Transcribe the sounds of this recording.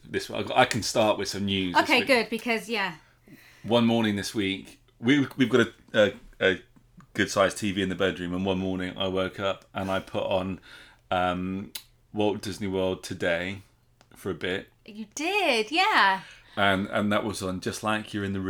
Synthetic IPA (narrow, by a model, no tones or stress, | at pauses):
ðɪswa̰ɪɡa̰ɪkʰə̃nstɑˑʔwɪð̥sʌ̃mnjʉːzoʊkʰeɪɡʊd̚bɨkʰʌzjæ | wʌ̃nmɔːñɪ̃ŋðɪswiˑk | wiwivɡɒɾə | əə | ɡ̥ʊd̥saɪz̥tʰiːviːɨ̃nðəbɜdɹʉ̃mə̃nwʌ̃nmɔːnɪ̃ŋa̰ɪwɜˑkʰʌpʔə̃naɪpʰʊʔn̩ | ʌ̃m | wɔʊlˠdɪzniwɜːlˠd̚tʰədeɪ | fə˞əbɪt̚ | jəd̥ɪd̥jæ | ə̃nə̰̃nðəʔwʔɒzn̩d͡ʒʌstˡlaɪkʰjəɹɨ̃nðə